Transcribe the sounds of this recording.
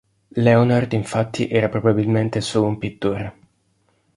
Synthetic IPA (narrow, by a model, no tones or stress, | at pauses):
lɛonard̪iɱfat̪ːiʔɛːɾapɾobabilment̪esoːloumpit̪ːoɾ